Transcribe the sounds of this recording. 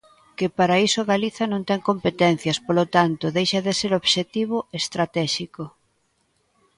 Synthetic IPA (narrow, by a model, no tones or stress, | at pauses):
kɪpaɾaisoɣaliθɐnõnt̪ɛŋkompet̪ɛn̟θjɐspolot̪ant̪ʊðejʃɐðeseɾoβʃet̪iβʊest̪ɾat̪ɛʃiko